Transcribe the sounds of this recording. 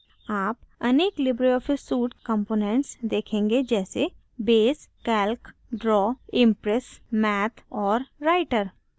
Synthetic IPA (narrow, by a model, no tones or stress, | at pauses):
aːpɐneːklɪbɾiɔːfɪsuːʈkə̃mpoːnẽɳʈsd̪eːkʰẽːŋɡed͡ʒɛːse | beːskɛːlk | ɖɾɔːɪ̃mpɾɛsmɛːt̪ʰɔːɾɾaːɪʈəɾ